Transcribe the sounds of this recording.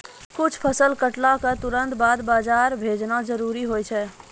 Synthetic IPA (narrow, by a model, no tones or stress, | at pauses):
kut͡ʃʰpʰəsəlkəʈlakət̪uɾənt̪bad̪bad͡ʒaɾbʱed͡ʒnad͡ʒəɾuɾiɦojt͡ʃʰɛ